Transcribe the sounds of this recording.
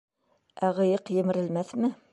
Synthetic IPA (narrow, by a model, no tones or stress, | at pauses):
æʁɤ̆jɤqjɘ̆mɘ̆ɾɘ̆lmæθmɘ